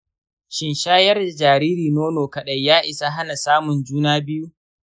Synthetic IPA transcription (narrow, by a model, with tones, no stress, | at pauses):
ʃɪ˨nʃaː˦jɐ˦rda˨d͡ʒaː˨ɾiː˦ɾiː˨noː˦noː˨kɐ˨ɗɐ˦jjaː˦ʔɪ˨sa˦ɦa˦na˨saː˦mʊ˨nd͡ʒuː˦naː˦bɪ˦ju˦